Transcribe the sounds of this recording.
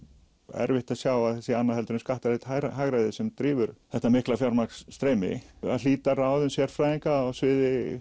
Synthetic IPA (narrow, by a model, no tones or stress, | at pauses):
ɛ̰ɾvɪht̪aðsjaːwaðθɛsɪanːahɛlt̪ʏɾɪmskaht̪aɾɪt̪haɾaɦaɣɾajðɪsɛmt̪ɾiːvʏɾθɛht̪amɪhklafjawɾmakst̪ɾeːmɪ̰a̰ðl̥iːt̪araːwðʏnsjɛɾfɾaːjðiŋkawsvɪːðɪ